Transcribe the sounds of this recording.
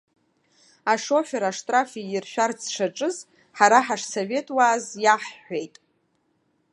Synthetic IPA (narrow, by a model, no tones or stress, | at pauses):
aʂo̞ħᶣaɾaʂtʼrafiirʃᶣart͡sʰʂaʈ͡ʂʼɨz | ħaɾaħaʂso̞ve̞tʼwaːzjaħħʷe̞jtʼ